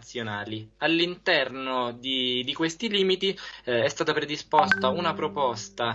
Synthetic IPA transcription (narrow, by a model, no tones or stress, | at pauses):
t̪sːjonaːlialːint̪ɛrnod̪id̪ikwest̪iliːmit̪iɛst̪aːt̪apɾed̪ispost̪aunapɾopɔst̪a